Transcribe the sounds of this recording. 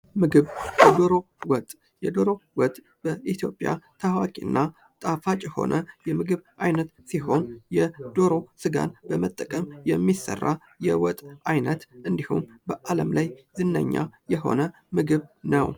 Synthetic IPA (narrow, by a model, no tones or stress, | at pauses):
mɨɡɨβjɛd̪oɾo̞ | wɔt̪ʼ | jɛd̪o̞ɾo̞wɔt̪ʼ | b̥əʔit̪ʰjo̞pʼːja̰t̪ʰawakʼḭnːa | t̪ʼafat͡ʃʼɛho̞̰nʔəjɛmɨɡɨβʔajnət̪siho̞njɛd̪̥o̞ɾo̞sɨɡa̰nbəmət̪ʼːəkʼəmjɛmːisə̰rːa | jɛwɔt̪ʼajnət̪ʔɨnd̪ihṵmbəʔaləmlajzɨnːə̰ɲːa̰jɛɦo̞̰nə | mɨɡɨβnəw